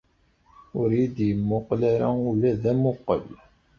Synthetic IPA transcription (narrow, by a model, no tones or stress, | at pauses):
ʊɾjid̪jəmːʊqlæɾaulæðæmʊqːə̰l